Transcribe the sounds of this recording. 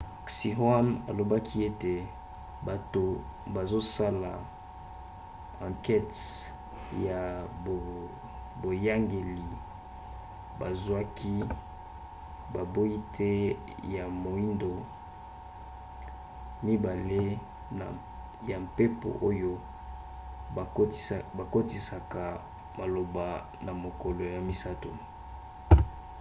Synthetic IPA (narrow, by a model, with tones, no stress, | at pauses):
si˨ɦwa˦na̰˨lo˨ba˦kʰi˦e˦te˨ | ba˨to˨ba˨zo˦sa˦la̰˨ | ã˨ŋkɛ˦t | ja˨o˨ | bo˨ja˦ŋɡe˨li˨ | ba˨zwa˦kʰi˦ | ba˨bo˦i˦tʰɛ˦ | ja˨mo˨i˦ndo˨ | mi˦ba˨le˦ | na̰˨ | ja˨mpe˦po̰˨ʔo˦jo˦˨ | ba˨ko˦ti˨sa˨ka˨ | ma˨lo˨ba˨ | na˨mo˨ko˨lo˨ja˨mi˦sa˦to̰˨